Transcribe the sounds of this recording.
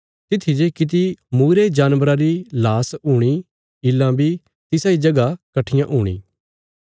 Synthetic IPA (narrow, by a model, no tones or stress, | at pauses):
t̪ɪt̪ʰːid͡ʒekɪt̪̬imuːɾed͡ʒaːnʋɾãɾilaːsuːɽ̃iː | ɪlːãbʱi | t̪ɪsãːid͡ʒɐɡakɐʈʰɪjãʔɦuːɽ̃ḭː